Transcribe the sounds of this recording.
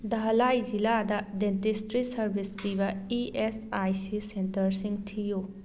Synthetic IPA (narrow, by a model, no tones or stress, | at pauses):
d̪ɐɦlajziladɐdentistɾisɐɾbʱiskibɐiʔesajsisentɐɾsiŋtʰiju